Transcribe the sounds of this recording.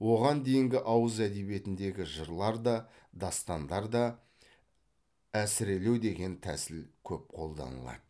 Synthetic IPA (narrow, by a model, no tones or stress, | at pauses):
wo̞ʁɑnd̪e̞jɪŋɡʲɪʔɑwəzæd̪ebje̞t̪ɪnd̪e̞ɡʲɪʒəɾlˠɑɾd̪ɑ | d̪ɑst̪ɑnd̪ɑɾd̪ɑ | æsɪɾe̞le̞wd̪e̞ɡʲe̞nt̪ʰæ̰sɪlkʲʰɵp̚qʰo̞lˠd̪ɑ̰nə̰lˠɑ̰d̪̥ə